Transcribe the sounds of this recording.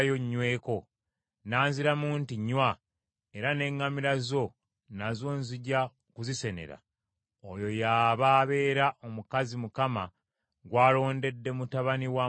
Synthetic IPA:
joɲːwe̞ːko̞ | naːnziɾamuːntiɲːwa | e̞ɾane̞ŋɡamiɾazo̞ | nazo̞ːnziɟa | kuzise̞ne̞̰ɾa̰ | ojo̞jaːβaːβe̞ːɾaʔo̞mukazimukama | ɡwaːlo̞ːnde̞dːe̞mutaβaniwa

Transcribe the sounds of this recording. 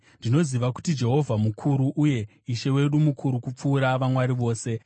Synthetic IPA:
ndino̞ziʋaku̥tid͡ʒe̞ɦo̞vʱamukʰuɾuʔuje̞ | iʃe̞we̞ɗumukʰuɾukup͡fuːɾaʋamwaɾiʋo̞ːse̞

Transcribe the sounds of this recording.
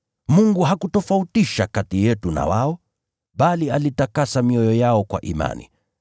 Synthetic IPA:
muŋɡuɦakutɔfautiʃakatijɛtuna̰waɔ | ɓalialitakasamiɔjɔjaɔkwa̰ʔima̰nḭ

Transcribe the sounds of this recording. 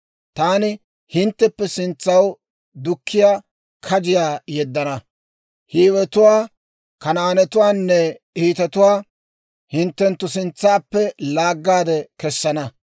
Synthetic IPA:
t̪aːnɪ | hɪnt̪ːɛpːɛsɪnt͡sːɐw | d̪ʊkʰːɪjaː | kʰɐd͡ʒɪjaːjɛd̪ːɐnɐ | hiːwɛt̪ʊwaː | kɐnaːnɛt̪ʊwaːnːɛ | iːt̪ɐt̪ʊwaː | hɪnt̪ːɛnt̪ːʊsɪnt͡sːaːpːɛlaːɡːaːd̪ɛkɛsːɐnɐ

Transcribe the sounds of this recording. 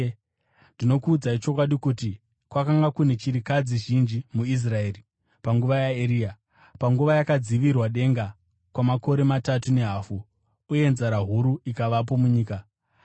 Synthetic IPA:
ndino̞kuːd͡zait͡ʃo̞kwaɗikuti | kwakaŋɡakune̞t͡ʃiɾikad͡ziʒind͡ʒimuis̬rae̞ːri | paŋɡuʋajaeɾiːa | paŋɡuʋajakad͡ziʋirwaɗe̞ŋɡa | kwamako̞ɾe̞matatune̞ɦaːfu | uje̞nzaɾaɦuɾuikaʋap̬o̞muɲiːka

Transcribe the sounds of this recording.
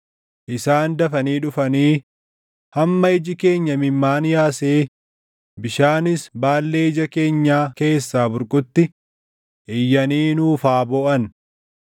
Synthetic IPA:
ʔɪsaːnd̪ɐfɐniːᶑʊfɐniː | hɐmːɐɪd͡ʒɪke̞ːɲːɐmɪmːaːnjaːseː | bɪʃaːnɪsbaːlːe̞ːɪd͡ʒɐke̞ːɲːaːke̞ːsːaːbʊɾkʼʊt̪ːɪ | ʔɪjːɐniːnuːfaːboːʔɐn

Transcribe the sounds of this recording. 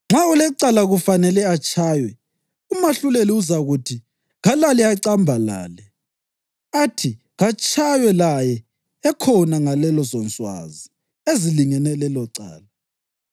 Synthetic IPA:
ŋ͡ǁʱaulɛǀalaɣufanɛlɛat͡ʃʼʰaːjwɛ | umaɬuleliuzaɣutʰi | ɣalaliaǀambʱala̰ːlɛ | atʰi | ɣat͡ʃʰʼajwɛlajɛ | ɛkʰɔnaŋalɛlɔzɔnt͡sʼwa̰zi | eziliŋɛnɛlɛlɔǀa̰ːla

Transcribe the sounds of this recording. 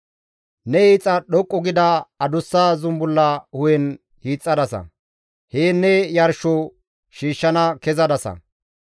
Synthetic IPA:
nɛhiːt͡sʼːɐɗɔkʼːɔɡɪd̪ɐɐd̪ʊsːaːzʊmbʊlːɐhʊjɛn | hiːt͡sʼːɐd̪ɐsɐ̰ | heːnːɛjɐɾʃɔ | ʃiːʃːɐnɐkɛzɐd̪ɐsɐ̰

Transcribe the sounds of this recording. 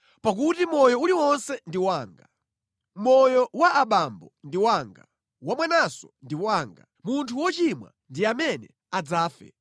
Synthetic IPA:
pak̬utimɔjɔuliwɔnsɛndiwaːŋɡa | mɔjɔwaʔaɓambɔndiwaːŋɡa̰ | wamwɛnasɔndiwaːŋɡa̰ | muntʰuwɔt͡ʃimwa̰ndiamɛnɛ̰ | ad͡zaːfɛ̰

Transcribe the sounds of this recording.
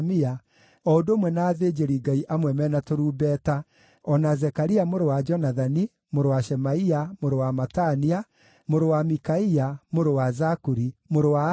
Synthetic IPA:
mia | ɔodoːmwɛnaːðed͡ʒeɾiɡaiʔamwɛmɛnatoɾuːbɛːta | ɔnazɛkaɾiamoɾowad͡ʒɔnaðani | moɾowaʃɛmaiamoɾowamatania | moɾowamikaiamoɾowazakuɾimoɾowa

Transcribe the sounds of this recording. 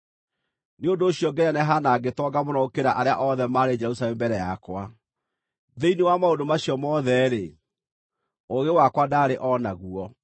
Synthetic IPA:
neondoːɕjɔɡɛɾanɛɦanaːɡetɔɡamɔnɔokeɾaʔaɾeaʔɔðɛmaɾed͡ʒɛɾusalɛmbɛɾɛjakwa | ðeinewamaondomaɕiɔmɔðɛɾe | oɣewakwadaːɾeʔɔnaɣuɔ

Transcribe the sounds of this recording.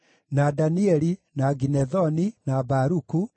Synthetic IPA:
nadaniɛɾinaɡinɛðɔninabaɾuku

